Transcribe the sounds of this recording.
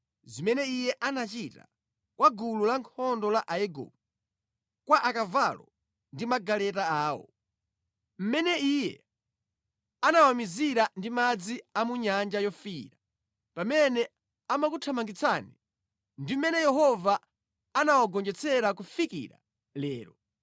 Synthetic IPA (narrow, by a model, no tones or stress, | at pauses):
zimɛnɛijɛʔanat͡ʃita̰ | kwaɡululaŋkʰɔndɔlaʔajɛɡɔ̰b̚u | kwaʔakavalɔ̰ | ndimaɡalɛtaaːwɔ̰ | m̩mɛnɛijɛ̰ | anawamiziɾandimad͡ziamuɲand͡ʒajɔfiːɾa | pamɛnɛ | amakutʰamaŋɡit͡sʰani | ndim̩mɛnɛjɛɦɔvaː | nawaɡɔnd͡ʒɛt͡sʰɛɾakufikḭɾa̰ | lɛːɾɔ